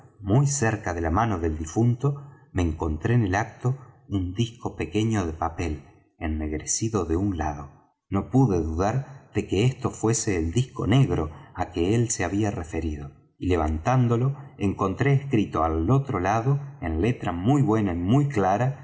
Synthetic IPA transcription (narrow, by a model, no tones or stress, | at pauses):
mujseɾkaðe̞lamanoðe̞ld̪ifunt̪o̞ | me̞ːŋko̞nt̪ɾeːnelak̚t̪o̞und̪ihko̞pe̞ke̞ɲo̞ðe̞pape̞l | enːe̞ɣɾesiðo̞ðe̞unlaðo̞ | no̞puðeðuðaɾð̥e̞keest̪o̞fwe̞se̞ːld̪ihko̞̰ne̞ɣɾo̞akeelse̞aβiarefe̞ɾiðo̞ | ile̞β̞ant̪and̪o̞lo̞eŋko̞nt̪ɾeːskɾit̪o̞alo̞t̪ɾolaðo̞enle̞t̪ɾamujβwe̞naimujklaɾa